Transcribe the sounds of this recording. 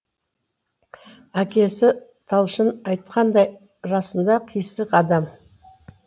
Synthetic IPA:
ækʲe̞sɪt̪ʰɑlˠʃənɑjt̪̚qʰɑnd̪ɑj | ɾɑsənd̪ɑqʰijsəqɑd̪ɑm

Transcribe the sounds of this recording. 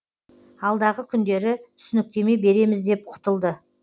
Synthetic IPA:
ɑlˠd̪ɑʁəkʲʰʏnd̪e̞ɾɪt̪ʰʏsʏnɪk̚t̪e̞me̞jbe̞ɾe̞mɪzd̪e̞p̚qʰʊ̥t̪əlˠd̪ə

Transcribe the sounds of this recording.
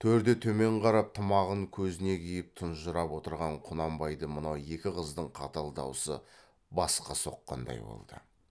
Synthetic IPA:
t̪ʰɵɾd̪et̪ʰɵme̞ɴqʰɑɾɑp̚t̪ʰəmɑʁəŋkʲʰɵzɪne̞kʲʰijɪp̚t̪ʰʊnʒəɾɑpwo̞t̪əɾʁɑɴqʰʊnɑmbɑjd̪əmənɑwe̞kʲɪqəzd̪əɴqʰɑt̪ɑlˠd̪ɑ̰wsə̰ | bɑsqɑso̞̰qːɑ̰nd̪ɑ̰jbo̰lˠd̪̥ə̰

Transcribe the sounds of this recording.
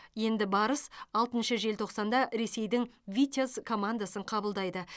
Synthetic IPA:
je̞nd̪ɪbɑɾəsɑlˠt̪ənʃəʒe̞lt̪ʰo̞qsɑnd̪ɑɾe̞se̞jd̪ɪŋvʲit̪ʲozkʰo̞mand̪asəɴqʰɑbəlˠd̪ɑjd̪ə

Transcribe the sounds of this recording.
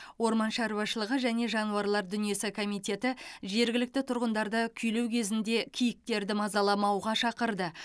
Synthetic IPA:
wo̞ɾmɑnʃɑɾwɑʃəlˠəʁəʒæne̞ʒɑnuwɑɾlˠɑɾd̪ʏnije̞sɪkʰo̞mijt̪ʲe̞t̪ɪʒe̞ɾɡʲɪlɪk̚t̪ɪt̪ʰʊɾʁənd̪ɑɾd̪əkʲʰʏjlewkʲʰe̞zɪnd̪e̞kʲʰijɪk̚t̪e̞ɾd̪ɪmɑzɑlˠɑmɑwʁɑʃɑqəɾd̪ə

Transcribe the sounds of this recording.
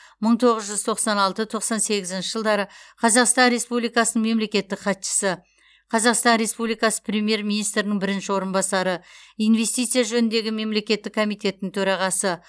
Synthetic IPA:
məɴt̪ʰo̞ʁəzʒʏz̥t̪ʰo̞qsɑnɑlˠt̪ət̪ʰo̞qsɑnse̞ɡʲɪzɪnʃɪ̥ʒəlˠd̪ɑɾəqʰɑzɑqst̪ɑnɾe̞spublijkɑsənəɴme̞mle̞kʲe̞t̪ːɪkqʰɑt̪ʃə̥sə | qʰɑzɑqst̪ɑnɾe̞spublijkɑsə̥pɾʲe̞mʲije̞ɾmʲinijst̪ɾɪnɪŋbɪɾɪnʃɪwo̞ɾənbɑsɑɾəijnve̞st̪ijt̪sɨjaʒɵnɪnd̪e̞ɡʲɪme̞mle̞kʲe̞t̪ːɪkʰːo̞mijt̪e̞t̪nːɪŋt̪ʰɵɾɑʁɑsə

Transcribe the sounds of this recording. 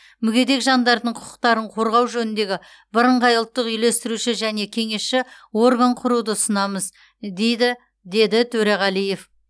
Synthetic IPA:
mʏɡʲe̞d̪e̞kʒɑnd̪ɑɾd̪əɴqʰʊ̥qʰə̥qt̪ɑɾəɴqʰo̞ɾʁɑwʒɵnɪnd̪e̞ɡʲɪ | bɪɾəɴʁɑjəlˠt̪ːəqʏjle̞st̪ɪɾuʃɪʒæne̞kʲʰe̞ŋe̞sʃɪo̞rɡaɴqʰʊɾud̪əsənɑməz | d̪e̞jd̪ɪ | d̪e̞d̪ɪt̪ʰɵɾeʁɑlˠije̞f

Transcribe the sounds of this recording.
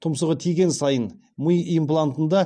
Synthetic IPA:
t̪ʰʊmsəʁət̪ʰijɡʲe̞nsɑjən | məjimplˠant̪ənd̪ɑ

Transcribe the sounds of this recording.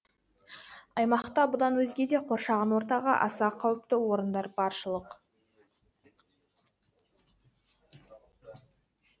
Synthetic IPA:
ɑjmɑqt̪ɑbʊd̪ɑnwɵzɡʲe̞d̪e̞qʰo̞ɾʃɑʁɑnwo̞ɾt̪ɑʁɑ̰ʔɑ̰sɑqʰːɑwəp̚t̪ɪwo̞ɾənd̪ɑɾbɑɾʃəlˠəq

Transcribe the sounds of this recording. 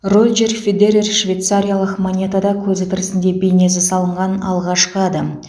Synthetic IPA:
rolʲd͡ʒerfʲed̪eɾʲerʃvʲejt̪saɾʲijalˠəqmonʲe̞t̪ad̪ɑkʲʰɵzɪt̪ʰɪɾɪsɪnd̪e̞bʲejne̞s̬ɪsɑlˠəɴʁɑnɑlˠʁɑʃqəɑd̪ɑm

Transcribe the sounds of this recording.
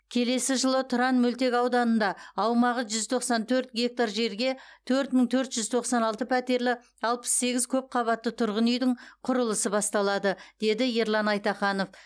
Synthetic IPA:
kʲʰe̞le̞sɪʒəlˠət̪ʰʊɾɑnmɵlt̪e̞kɑwd̪ɑnənd̪ɑːwmɑʁəʒʏzt̪ʰo̞qsɑnt̪ʰɵɾt̪ɡʲe̞k̚t̪aɾʒe̞ɾɡʲe̞t̪ʰɵɾt̪məŋt̪ʰɵɾt̪ʒ̥ʏzt̪ʰoqsɑnɑlˠt̪əpʰæt̪e̞ɾlɪ | ɑlˠpə̥sːe̞ɡʲɪzkʲʰɵp̚qʰɑβɑt̪ːət̪ʰʊɾʁənʏjd̪ɪɴqʰʊɾəlˠəsəbɑst̪ɑlˠɑd̪əd̪̥e̞d̪ɪjeɾlˠɑnɑjt̪ɑχɑno̞f

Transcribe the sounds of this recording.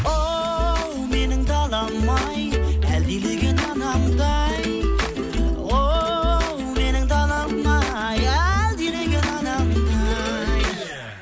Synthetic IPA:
o | wme̞nɪŋd̪ɑlˠɑmːɑjæld̪ileɡʲenɑnɑmd̪ɑj | o | wme̞nɪŋd̪ɑlˠɑmːɑjæld̪ileɡʲenɑnɑmd̪ɑj

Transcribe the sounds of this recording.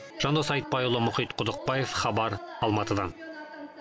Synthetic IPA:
ʒ̥ɑnd̪osɑjt̪̚bɑjolˠomʊχit̪qŏðŏq̚bɑjefχɑβɑɾɑlˠmɑt̪ɤ̆d̪ɑn

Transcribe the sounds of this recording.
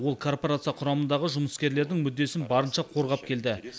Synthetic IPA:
wo̞lˠkʰo̞rpoɾat̪sɨjɑqʰʊɾɑmənd̪ɑʁəʒʊməskʲe̞ɾle̞ɾd̪ɪŋmʏd̪ːe̞sɪnbɑɾənʃɑqʰo̞ɾʁɑp̚kʲʰe̞ld̪ɪ

